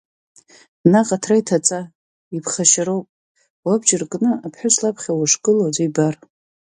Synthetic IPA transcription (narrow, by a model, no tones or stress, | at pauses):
naqʼatʰraitʰat͡sʼa | ipʰχaʃaɾo̞wpʼ | wabd͡ʒɪrkʼnɨapʰħʷᶣʊsʰʼlapʰχʲawaʂkʼɨlod͡zaibar